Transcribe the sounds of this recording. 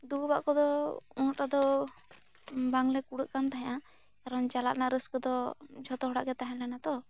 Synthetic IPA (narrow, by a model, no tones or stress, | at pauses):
d̪uɾbaʔkɔd̪ɔunʈad̪ɔ | baŋlɛkuɽəʔ̪̚kant̪aɦɛ̃ja | kaɾɔnt͡ʃalaʔ̪̚naɾəskd̪ɔd͡ʒʱɔt̪ɔɦɔɽa̰ʔɡɛt̪aɦɛ̃lɛnat̪ɔ